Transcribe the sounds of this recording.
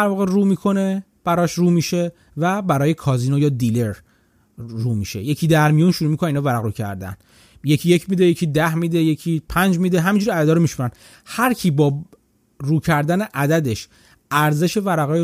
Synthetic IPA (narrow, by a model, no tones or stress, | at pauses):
æɾvɒːɣeruːmiːkʰo̞ne̞ | b̥æɾɒːʃruːmiʃe̞ | væbæɾɒːje̞kʰɒːziːnojɒːd̪ile̞ɾː | uːmiʃe̞̰je̞cʰiːd̪æɾmijunʃuɾuːmikoneiːnːvæɾæɣɾuːcʰæ̰ɾd̪æ̰n | je̞cʰije̞cʰmiːd̪e̞jecʰiːd̪æhmiːd̪eje̞cʰiːpʰænd͡ʒmiːd̪eɦæmind͡ʒuɾiæd̪æd̪ɒːɾomiʃmuɾæn | hæɾcʰiːbɒː | ruːcʰæɾd̪æne̞ʔæd̪æd̪e̞ʃ | æɾze̞ʃe̞væɾæɣɒːj